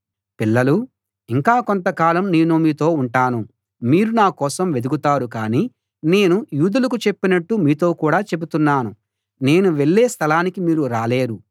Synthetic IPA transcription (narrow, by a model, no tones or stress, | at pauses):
pilːɐlu | iŋkaːkont̪ɐkaːlɐmne̞ːnumiːt̪o̞ːuɳʈaːnu | miːɾunaːkɔːsɐmʋe̞d̪uɡut̪aːɾukaːniː | ne̞ːnujuːd̪ulɐkut͡ʃe̞pːinɐʈːumiːt̪o̞ːkuːɽaːt͡ʃe̞but̪unːaːnu | ne̞ːnuʋe̞ɭːe̞ːst̪ʰɐlaːnikimiːɾuɾaːle̞ːɾu